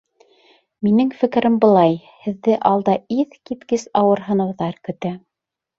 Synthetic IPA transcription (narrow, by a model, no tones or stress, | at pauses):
minɘŋfɘ̆kɘ̆ɾʔɘmbɤ̆lˠɑj | hɘ̆ðːɘʔɑlˠd̪ɑiðkit̪kɘsɑwɤ̆ɾɦɤ̆nɤ̆wðɑɾkɵ̆t̪æ